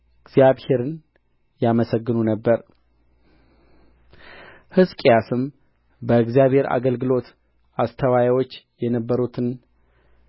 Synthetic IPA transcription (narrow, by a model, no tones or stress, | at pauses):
ɨɡzjaβhe̞ɾɨn | jaməsəɡːɨnunəbːəɾ | hɨskʼjasɨm | bəɨɡzijaβhe̞ɾa̰ɡəlɡɨlo̞t̪ | ast̪ʰəwajawo̞t͡ʃːjɛnəbːəɾut̪ʰɨn